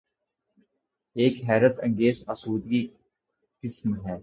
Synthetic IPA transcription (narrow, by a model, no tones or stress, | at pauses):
eːkɦɛːɾət̪ə̰̃ŋɡeːzɐsuːd̪ɡi | qɪsmɦɛː